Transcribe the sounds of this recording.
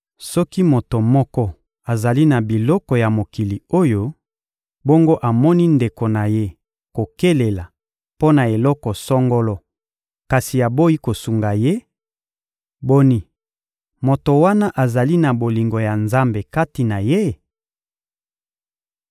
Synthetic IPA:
sɔ˦ki˦mo˨to˨mɔ˦kɔ˦ | a˨za˨li˦na˨bi˨lɔ˦kɔ˨ja˨mo˨ki˨li˨o˦jo˦ | bo˦ŋɡo˦ʔa˨mɔ˦ni˦nde˨ko˨na˨je˦ | ko˨ke˦le˨la˨ | po˦na˨e˨lɔ˦kɔ˨sɔ˦ŋɡɔ˦lɔ˦ | ka˨si˨a˨bo˦ji˦ko˨su˨ŋɡa˨je˦ | bo˦ni˦ | mo˨to˨wa˦na˦ʔa˨za˨li˦na˨bo˨li˨ŋɡo˨ja˨nza˦mbe˨ka˦ti˨na˨je˦

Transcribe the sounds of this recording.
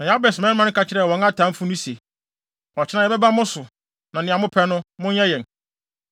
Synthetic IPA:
nã˨ja˦bɛ˨smɛ̃˦n˦mã˦n˦kʰa˦t͡ɕʰɪ˦ɾɛ˦˨wɔ̃˨˦a˦tʰã˨˦m̩˦fʊ̃˦nʊ̃˦se˨ | ɔ˨t͡ɕʰɪ˦nã˨ɛ˨bɛ˦ba˦mʊ̃˦sʊ˨ | nã˨nɪ̃˨a˨mʊ̃˦pʰɛ˦nʊ̃˦mʊ̃˦ɛ˦jɛ̃˨n

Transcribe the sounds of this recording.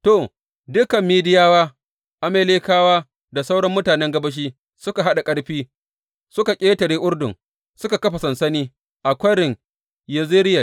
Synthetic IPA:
toː˨ | dʊ˦kɐ˨mːiː˦dɪ˦jaː˦waː˦ | ʔa˦meː˦leː˦kaː˦waː˦ | da˨sa˦wɽɐ˦mːʊ˦taː˨nɛ˦ŋɡɐ˦bɐ˦ʃ̬iː˦ | sʊ˦ka˨ɦa˦ɗa˨kʼɐ˦ɽɸiː˦ | sʊ˦ka˨kʲʼeː˦tɐ˨ɽeː˦ʔʊ˦ɽdʊ˨ŋ | sʊ˦ka˨kɐ˦ɸa˨sɐ˨nsɐ˦niː˦ | ʔa˨kʷɐ˦ɽɪ˨ŋ | jɐ˦zi˦ɾɪ˦ja˨

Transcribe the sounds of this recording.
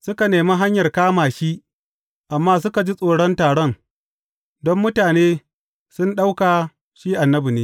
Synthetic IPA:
sʊ˦ka˨neː˨ma˦ɦa˦ɲjɐ˨rkaː˦maː˨ʃi˦ʔ | ʔa˨mːaː˦s̬ʊ˦ka˨d͡ʒi˦sʼoː˨ɽɔ˦ntaː˨ɽɔ˦n | dɔ˦mːʊ˦taː˨neː˦ | sʊ˦nɗa˦wkaː˨ | ʃiː˦ʔa˨nːɐ˦bu˨neː˦

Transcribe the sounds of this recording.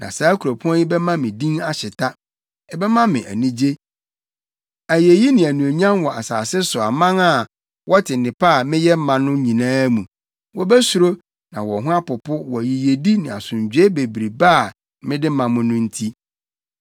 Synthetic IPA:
nã̰˨saː˨˦kʰu˨ɾo˨pʰʊ˦ɔ̃˦ni˦bɛ˦mã˦mɪ̃˨dĩ˦na˦ɕɪ˨tʰa˦ | ɛ˦˨bɛ˦mã˦mɪ̃˨ʔæ̰˨nĩ˦d͡ʑe˦ | æ˨je˨ji˦nɪ̃˨æ˨nũ˨æ˨ɲ˦ã˦nwɔ˨a˨saː˨sɪ˦sʊ˨a˨mã˦ŋa˦˨ | wʔɔ˦tʰɪ˨nɪ̃˨pʰa˦˨mɪ̃˦jɛ˦m̩˦mã˨nʊ̃˦ɲĩ˨nãː˦mũ˨ | wɔ˦bɛ˦su˨ɾo˦ | nã˨wɔ˨ɦʊ̃˦a˦pʊ˨pʊ˦wɔ˨ji˨je˨di˦nɪ̃˨a˨sʊ̃˨ɲd͡ʑᶣe˦be˨bɾi˨baː˦˨ | mɪ̃˦dɪ˦mã˨mʊ̃˦nʊ̃˦n̩˦tʰi˦

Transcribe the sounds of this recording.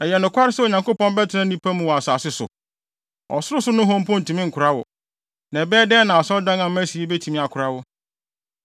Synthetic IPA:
ɛ˨jɛ˨nʊ̃˨kʰʷa˦ɾɪ˦sɛ˦˨o˨ɲã˨ŋko˦pɔ̃˦nbɛ˦tʰɪ˦nã˦nĩ˦pʰæ˦mʊ̃˨wɔ˨a˨saː˨sɪ˦sʊ̰˨ | ɔ̰˨sʊ˦ɾʊ˦sʊ˦nʊ̃˦ɦɔ̃˦m˦pɔ̃˦n̩˨tʰĩ˨mɪ̃˦ŋ̩˨kʰʊ˨ɾa˦wɔ̰˨ | nɛ̃˨bɛː˦dɛː˦nã˨a˨sɔ˦dã˦ŋã˨m˦æ̃˦si˨e˦be˦tʰi˨mĩ˦a˨kʰʊ˨ɾa˦wɔ˦

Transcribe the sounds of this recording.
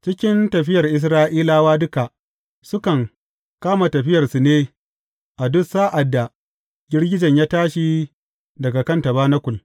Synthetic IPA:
t͡ʃɪ˦kʲɪ˦ntɐ˨ɸɪ˦jɐ˨rʔɪ˨s̬ɾaː˦ʔiː˦laː˦waː˦dʊ˦ka˨ʔ | sʊ˦kɐ˨ŋ | kaː˦ma˨tɐ˨ɸɪ˦jɐ˨rsu˨neː˦ | ʔa˨dʊ˦saː˦ʔa˨dːa˨ | ɡʲɪ˦rɡʲɪ˦d͡ʒɐ˨ɲjaː˦taː˦ʃi˦ | dɐ˨ɡa˨kɐ˦ntɐ˨baː˦nɐ˦kʷʊ˨l

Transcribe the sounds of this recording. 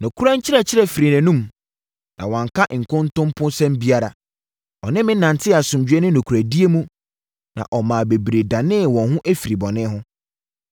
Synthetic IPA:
nʊ̃˨kʰu˦ɾa˦ɲ˦t͡ɕʰɪ˦ɾɛ˨t͡ɕʰɪ˦ɾɛ˦˨fi˨ɾi˨næ̃˨nũ˦m | nã̰˨wɔ̃˨ŋ˨kʰa˦ʔŋ̩˨kʰʊ̃˦ntʊ̃˦m˦pʰʊ̃˦nsɛ̃˦mbi˦a˦ɾa˨ | ɔ˨nɪ̃˦mɪ̃˦nã˨n˨tʰɪ˦˨a˨sʊ̃˨md͡ʑᶣɛ˦nʊ̃˦nʊ̃˨kʰu˨ɾæ˨di˦e˦mũ˦ | nã̰˨ʔɔ˨mã˨be˨bɾe˨da˨nɪ̃˦˨wɔ̃˨nhʊ̃˦ʔe˦fi˨ɾi˨bɔ̃˨nɪ̃˦ɦʊ̃˦

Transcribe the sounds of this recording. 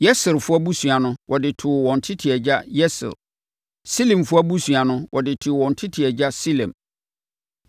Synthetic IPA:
jɛ˦sɪ˨ɾfʊ˦a˦bu˦su˨a˨nʊ̃˦wʔɔ˨dɪ˨tʰʊ˨wɔ̃˨n̩˨tʰɪ˦tʰɪ˨ɛ˨d͡ʑa˦jɛ˦sɪ̰˨l | si˦lĩ˨mfʊ˦a˦bu˦su˨a˨nʊ̃˦wʔɔ˨dɪ˨tʰɪ˨wɔ̃˨n˨tʰɪ˦tʰɪ˨ɛ˨d͡ʑa˦si˦lɛ̰̃˨m

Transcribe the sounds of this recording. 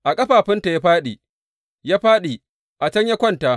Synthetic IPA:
ʔa˨kʼɐ˦ɸaː˨ɸɪ˦nta˨ja˦ɸaː˦ɗi˨ | jaː˦ɸaː˦ɗiː˨ | ʔa˨t͡ʃɐ˦ɲja˦kʷɔ˦ntaː˨ʔ

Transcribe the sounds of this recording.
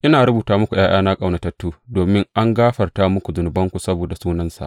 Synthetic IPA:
ʔɪ˦naː˨ɾʊ˦buː˨taː˦mʊ˦kʷu˨j̰ʔaː˦jaː˦naː˦kʼa˨wna˨tɐ˨tːuː˦doː˨mɪ˦ŋʔa˦ŋɡaː˦ɸɐ˨rtaː˦mʊ˦kʷu˨zʊ˨nʊ˨bɐ˦ŋkʷu˨sɐ˦boː˨da˨suː˦nɐ˦nsa̰˨ʔ

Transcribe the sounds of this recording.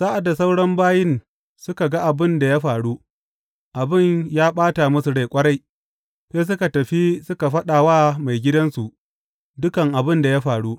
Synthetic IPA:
saː˦ʔa˨da˨sa˦wɽɐ˦mbaː˦jɪ˦n | sʊ˦ka˨ɡa˦ʔa˨bɪ˦nda˨jaː˦ɸaː˨ɽu˦ | ʔa˨bɪ˦ɲjaː˦ɓaː˦ta˨mʊ˦su˨ɽe˨jkʷʼɐ˦ɽa˦j | ɸeː˦s̬ʊ˦ka˨tɐ˨ɸi˦sʊ˦ka˨ɸɐ˦ɗaː˨waː˦ma˨jɡʲɪ˦dɐ˦nsu˨ʔ | dʊ˦kɐ˨ŋʔa˨bɪ˦nda˨ja˦ɸaː˨ɽu˦

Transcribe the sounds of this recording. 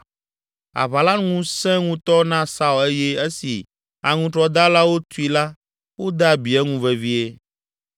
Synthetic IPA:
a̰˨βa˨la˦nŋũ˦sɛ̃˦ŋũ˦t̪ɔ˦nã˦sa˦u˨e˦jɛ˦e˦si˨ | a˨ŋũ˦t̪ɾɔ˦d̪a˦la˦wo˦t̪u˦i˨la˦ | wo˦d̪a˦˨bi˨ɛ˦ŋũ˦vɛ˨vi˦e˦

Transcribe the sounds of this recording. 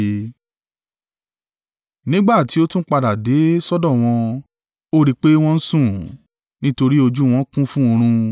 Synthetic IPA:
nĩ˦ɡ͡ba˦˨ti˨˦o˦tũ˦k͡pa˧da˨de˨˦sɔ˦dɔ˦˨w̃ɔ̃˧ | o˦ɾi˧k͡pe˦w̃ɔ̃˦n̩˦sũ˦˨ | nĩ˦to˧ɾi˦o˧d͡ʒu˦w̃ɔ̃˦kũ˦fũ˦o˧ɾ̃ũ˧

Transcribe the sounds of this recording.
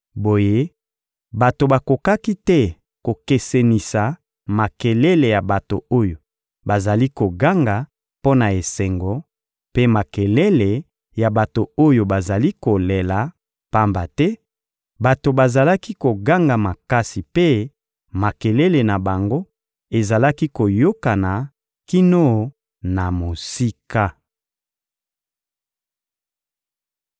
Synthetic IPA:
bo˨je˦ | ba˨to˨ba˨ko˨ka˦ki˦tɛ˦ | ko˨ke˨se˨ni˨sa˨ | ma˨kɛ˨le˦le˨ja˨ba˨to˨o˦jo˨ | ba˨za˨li˦ko˨ɡa˦ŋɡa˨ | po˦na˨e˨se˨ŋɡɔ˨ | pe˦ma˨ke˨le˦le˨ | ja˨ba˨to˨o˦jo˨ba˨za˨li˦ko˨le˨la˨ | pa˦mba˨tɛ˦ | ba˨to˨ba˨za˨la˦ki˦ko˨ɡa˦ŋɡa˨ma˨ka˦si˨pe˦ | ma˨kɛ˨lɛ˦le˨na˨ba˨ŋɡo˦ | e˨za˨la˦ki˦ko˨jo˦ka˨na˨ | ki˦no˦˨ | na˨mo˨si˦ka˦

